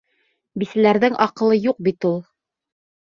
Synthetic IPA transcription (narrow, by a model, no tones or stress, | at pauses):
bisælæɾðɘŋʔɑqɤ̆lˠɤjuq̚bit̪ulˠ